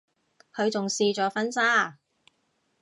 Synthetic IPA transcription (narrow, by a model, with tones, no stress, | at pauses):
kʰɵ˨˧ɥt͡sʊ˨ŋsiː˧t͡ʃɔː˨˥fɐ˥nsaː˥˩